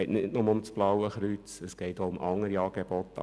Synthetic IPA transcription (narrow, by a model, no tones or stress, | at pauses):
ɪtnɪdnʊməʊmt͡sb̥lɑwəχɾyt͡səsɡ̥ɛɪtoʊmʔɑŋːəɾiɑːɡ̥eb̥ɔt̪ːɑ̰